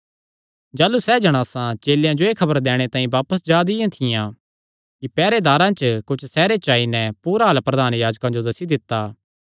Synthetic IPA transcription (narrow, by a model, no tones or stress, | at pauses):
d͡ʒaːlusɛd͡ʒɐɽ̃aːsãt͡ʃeːljãd͡ʒoeːkʰɐbəɾd̪ɛːɽ̃et̪ãːĩbaːpəsd͡ʒaːd̪ɪjãt̪ʰɪjã | kipɛːɾed̪aːɾãt͡ʃəkʊt͡ʃʰsɛːɾet͡ʃaːinɛpuːɾaɦɐlpɾɐd̪aːnjaːd͡ʒkãd͡ʒod̪ɐsid̪ɪt̪ːaː